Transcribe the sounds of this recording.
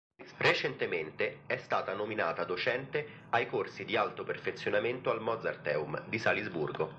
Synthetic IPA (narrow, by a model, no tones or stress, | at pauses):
ret͡ʃent̪ement̪eɛst̪aːt̪anominaːt̪ad̪ot͡ʃɛnt̪e | ajkorsid̪ialt̪operfet̪sːjonament̪oalmɔd̪zart̪ɛːumd̪isalizburɡo